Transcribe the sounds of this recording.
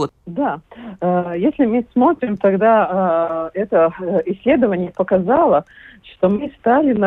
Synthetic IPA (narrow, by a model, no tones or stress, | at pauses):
d̪a | jesʲlʲɪmɨsmo̞t̪ɾʲɪmt̪ɐɡd̪a | ɛt̪əɪsʲːlʲe̞d̪əvənʲɪjəpəkɐzalˠəʂt̪omɨst̪alʲɪnɐ